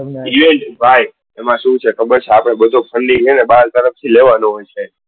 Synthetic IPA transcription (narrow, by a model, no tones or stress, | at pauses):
iʋeɳʈbʱaj | emãʃũt͡ʃʰekʰəbət͡ʃʰeapɽ̃ebəd̪ʱopʰəɳɖilenebad͡ʒt̪əɾəft̪ʰileʋanoɦojt͡ʃʰe